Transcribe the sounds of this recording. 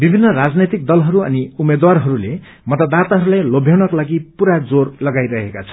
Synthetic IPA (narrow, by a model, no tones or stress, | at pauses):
bibʱinːʌrad͡znet̪ik̚d̪ʌlɦʌɾuʌ̰niumed̪warɦʌɾule | mʌt̪ad̪at̪aɦʌɾulajlobʱjawnʌkolaɡipuɾad͡zorlʌɡajɾʌɦekat͡sʰʌ̥